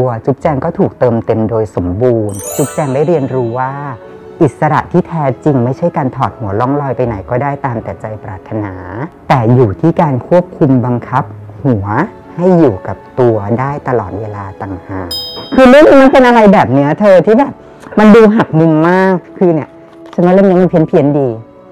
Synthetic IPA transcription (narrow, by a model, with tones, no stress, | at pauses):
ɐt͡ɕu˦˥p̚t͡ɕɛː˧ŋkɔː˥˩t̪ʰuː˨˩k̚t̪ɤː˧mt̪e˧mdoː˧jso˩˦mbuː˧nt͡ɕu˦˥p̚t͡ɕɛː˧ŋdaː˥˩jɾi˧ənɾuː˦˥waː˥˩ | ʔi˨˩t̪̚sa˧ɾa̰˨˩ʔt̪ʰiː˥˩t̪ʰɛː˦t͡ɕi˧ŋma˥˩jt͡ɕʰa˥˩jkaː˧nt̪ʰɔː˨˩t̪̚hu˩˦ɐlɔ˥˩ŋlɔː˧jpa˧jna˩˦jkɔː˥˩daː˥˩jt̪aː˧mt̪ɛː˨˩t͡ɕa˧jpɾaː˨˩t̪ʰːa˧naː˩˦t̪ɛː˨˩juː˨˩t̪ʰiː˥˩kaː˧nkʰu˥˩əp̚kʰu˧mba˧ŋkʰa˦˥p̚ | hu˨˩˦ɐ | ha˥˩jːuː˨˩ka˨˩p̚t̪u˧ɐdaː˥˩jt̪a˧lɔː˨˩t̪̚weː˧laː˧t̪a˨˩ŋhaː˨˩ŋk̚kʰɯː˧lɯ˥˩ŋniː˨˦˥ma˧npe˧nʔa˧ɾa˧jbɛː˨˩p̚ni˦˥ɐt̪ʰɤː˧t̪ʰiː˥˩bɛː˨˩p̚ | ma˧nduː˧ɦa˨˩k̚mu˧mːaː˥˩kʰːɯː˧ni˧˩ɐ | t͡ɕʰa˧nmɔ˦˥lɛː˥˩mn˧˦˥ma˧npʰi˦ənpʰi˧˦əndiː˧